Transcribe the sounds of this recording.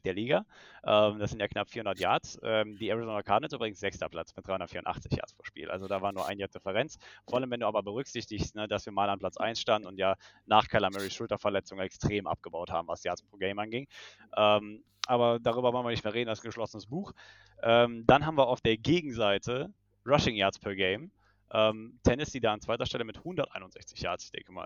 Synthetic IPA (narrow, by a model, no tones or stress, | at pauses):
d̥eːɐliːɡaʔɛːmdasz̥ɪntjaːknapfiːɐhʊndɐtja̰ɐt͡sʔɛːmdiːɛʁizoːnɐkʰaːdnətsʔyːbʁɪɡŋ̩sz̥ɛkstɐpl̥a̰t͡smɪt̚d̥ʁaɪʊnɐətfiːɐʊntʔa̰χt͡sɪçja̰ːɐt͡ssfʰʁoːɐʃpḭːlʔa̰lzodaːvaːɐnuːɐʔa̰ɪnjaːd̥ɪfəʁɛnt͡sfoːɐaləmvɛnduːaːbɐbəʁʏkz̥ɪçtɪçstnəd̥asv̥iːɐmaːlanpl̥at͡sʔa̰ɪnsʃtandn̩ʊntjaːnaːχkʰalamɛʁiʃʊltɐfɛɐlɛt͡sʊŋɛkstʁ̥eːmʔa̰p̚ɡ̥əbaʊthaːbm̩vasjaːɐspʁ̥oɡɛɪmanɡɪŋ | ʔɛːm | ʔaːbɐdaːʁ̞yːbɐvɔlnviəɐnɪçtmeːɐʁeːdn̩alsɡ̥əʃlɔsənəsb̥uːx | ʔɛːmd̥anɦaːbmviːɐaʊfd̥eːɐɡeːɡŋ̩zaɪtʰə | ʁaʃɪŋjaɐt͡spʰɛːɐɡeɪm | ʔɛːmtʰɛnɪsd̥iːdaːant͡sv̥aɪtɐʃtɛləmɪthʊndɐtʔa̰ɪnʊnzɛ̰çt͡sɪçja̰ːɐt͡sɪ̥çd̥ɛ̰ŋkəma̰ːl